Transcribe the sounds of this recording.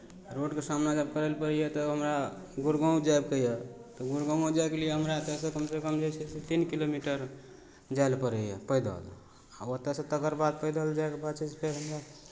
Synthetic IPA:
ɾoɖkesamnad͡ʒəb̚kəɾəlpəɾəjet̪ɔɦəmɾa | ɡuɾɡə̃d͡ʒajb̚kəjet̪ɔɡuɾɡə̃d͡ʒaekelijeɦəmɾat̪ɛsekəmsekəmd͡ʒat͡ʃʰɛset̪inkilomiʈəɾ | d͡ʒaelpəɾəjepəjd̪ə̰l | aət̪ːɛsẽt̪əkəɾbad̪̚pəjd̪əld͡ʒaekepat͡ʃespʰeɾɦəmɾa

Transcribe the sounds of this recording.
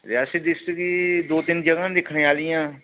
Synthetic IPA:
ɾɪaːsid̪ɪsʈkid̪oːt̪ɪnd͡ʒəɡãːd̪ekʰneːaːlijãː

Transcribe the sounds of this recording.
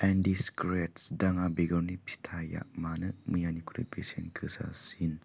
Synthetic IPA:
ɛndiskɾetsdaŋabeɡɐɾnipʰi̥tʰaja̰ʔmanɯmɯjanikʰuɾḭbesenkʰɯsa̰sin

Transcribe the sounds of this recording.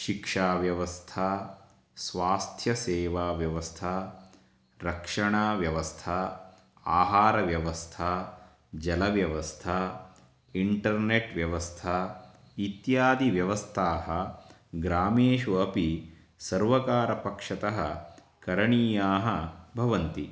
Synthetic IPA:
ʃikʂaːʋjɐʋɐst̪ʰaː | sʋaːst̪ʰjɐseːʋaːʋjɐʋɐst̪ʰaː | ɾɐkʂɐɳaːʋjɐʋɐst̪ʰaː | aːɦaːɾɐʋjɐʋɐst̪ʰaː | d͡ʒɐlɐʋjɐʋɐst̪ʰaː | iɳʈɐɾneʈʋjɐʋɐst̪ʰaː | it̪jaːd̪iʋjɐʋɐst̪ʰaːɦɐ | ɡɾaːmeːʃuɐpi | sɐɾʋɐkaːɾɐpɐkʂɐt̪ɐɦɐ | kɐɾɐɳiːjaːɦɐ̆bʱɐʋɐnt̪i

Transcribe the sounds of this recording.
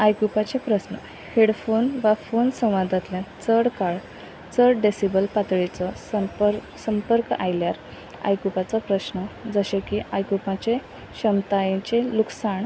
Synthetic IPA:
ajkupat͡ɕepɾəɕnə̰ | heɽfonʋafonsə̃w̃ʋad̪ʱat̪ljat͡səɽkaɭ | t͡səɽɖesibəlpat̪ɭit͡sɔsəpɾ | səmpəɾka̰jljaɾ | a̰jkupat͡sapɾəɕnəd͡zəɕekiajkupãt͡ɕe | ɕəmt̪ajẽt͡ɕeluksaɳ

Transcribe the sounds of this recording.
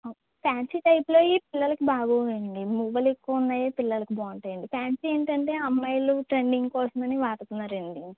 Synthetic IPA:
paːnt͡ʃiʈɐjpuloːiːpilːɐlɐkibaːɡoːjɐɳɖimuːbɐlekːuunːaːjeːpilːɐlɐkibɔːɐɳʈɐjɐɳɖipaːnt͡ʃieːɳʈɐɳʈe̞ːɐmːɐjluʈɾeɳɖiŋɡkɔːsɐmɐniʋaːʈɐt̪unːaːɾeɳɖiŋ

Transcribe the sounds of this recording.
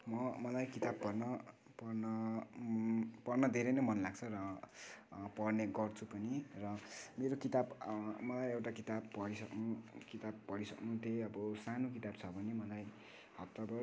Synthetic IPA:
mʌmʌlajkit̪abpʌrnʌ | pʌrnʌ | pʌrnʌd̪ʱeɾʌjnʌmʌnlaɡ̚t͡sʰʌɾʌ | pʌrneɡʌrt͡sʰupʌnirʌmeɾokit̪abmʌlajewʈakit̪abpʌɽisʌknukit̪abpʌɽisʌknũt̪eʌbʌsanokit̪abt͡sʰʌbʱʌnemʌlaj | hʌtt̪ʌbʌ

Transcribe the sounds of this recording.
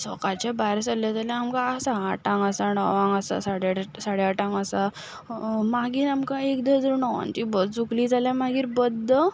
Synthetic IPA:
sɔ̰kat͡ɕabajɾsaljad͡zaljãːmkaːsaːʈãŋɡəsaɳəʋãŋɡəsa̰saɽasaɽjaʈãŋɡəsa | maɡiːɾamkãekd̪əd͡zəɾunəʋa̰nt̪ibəd͡zukliːd͡zaljamaɡiːɾbəd̪ːə

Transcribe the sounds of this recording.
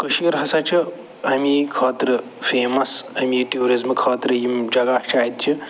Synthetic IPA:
kɐʃiɐɾɦɐsɐt͡ʃʰi | ɐmikʰɐːt̪ɾɨ | pʰeːmɐsɐmiʈioːɾizmkʰɐːt̪ɾɐjimd͡ʒɐɡat͡ʃaːit̪̚t͡ʃʰi

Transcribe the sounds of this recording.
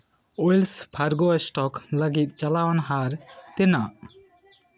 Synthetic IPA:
ojlspʰaɾɡosʈɔkləɡit̪̚ˀt͡ʃalawanɦaɾt̪ɛnaʔ

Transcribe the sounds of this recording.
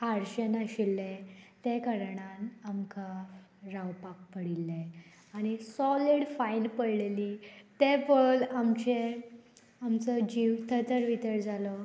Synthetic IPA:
aɾɕənəɕilːẽt̪ekəɾɳanamkʰaɾawpak̚pəɽilːẽ | aɽ̃isɔliɽfainpəɽlelit̪epəlamt͡ɕe | amt͡səd͡ʑiʋt̪ʰət̪əɾʋit̪əɾd͡zalɔ

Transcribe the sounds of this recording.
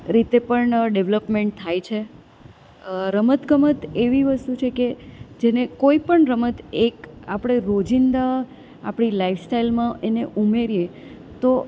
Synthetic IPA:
ɾit̪epəɳɖeʋləpmẽɳʈ̚t̪ʰːajt͡ʃʰe | ɾəmət̪ɡəmət̪eʋiʋəst̪ut͡ʃʰeked͡ʒenekoipəɳɾəmət̪ekapɽ̃eɾod͡ʒind̪a | apɽ̃ilaifsʈailmãʔeneʔumeɾije | t̪o

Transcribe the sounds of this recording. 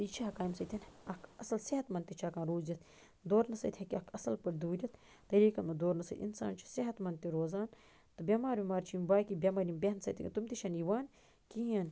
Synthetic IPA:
t̪it͡ʃʰiɦɐkaːjmsɐt̪ʲʰinɐkʰɐsɐlsiɦɐt̪mɐnt̪it͡ʃʰakãːɾuːzit̪ | d̪oːɾnɐsɐ̰t̪ʰhɐkʲiɐkʰɐsɐlpɐɾd̪uːɾʲɐt̪ | t̪ɐɾiːkɐnmɐd̪oːɾnɐsɐ̰t̪ḭnsa̰ːnt͡ʃʰi̥siɦɐt̪mɐnt̪iɾoːzaːn | t̪ɨbʲɐmaːɾʋimaːɾt͡ʃʰimbaːjkibʲɐmɐɾimbʲeɦɐnsɐ̰t̪ʰḭkt̪umt̪iʃʰɐniʋaːn | kiɐn

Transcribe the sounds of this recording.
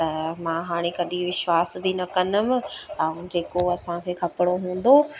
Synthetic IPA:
t̪ɐmãːɦaːɽ̃ekɐɗĩʋɪʃwaːsbʱinɐkɐnəmɪɛ̃ũd͡ʑeːkoɐsãkʰeːkʰɐpɪɽ̃oɦũːn̆d̪o

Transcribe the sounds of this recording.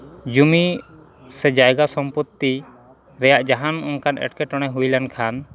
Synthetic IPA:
d͡ʒumi | sɛd͡ʒajɡasɔmput̪ːi | ɾɛjaʔd͡ʒaɦanɔ̰nkʰanɛ̰ʈkɛʈɔɽ̃ɛɦujlankʰan

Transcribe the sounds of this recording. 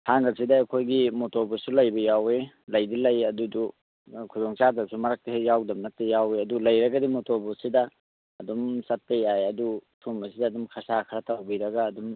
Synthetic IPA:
haŋɡɐk̚sidaɐkʰojɡimotoɾbɔsulɐjbɐjawe | lɐjdilɐjɐdudu | kʰudɔŋt͡ʃadɐsumɐɾak̚tɐhejawdɐmnɐk̚tejaweɐdulɐjɾɐɡɐdimotobɔsidɐː | dɔmsɐt̚pejajɐdutʰumɐsidɐːdumkʰɐsakʰɐɾɐtawbiɾɐɡaːdum

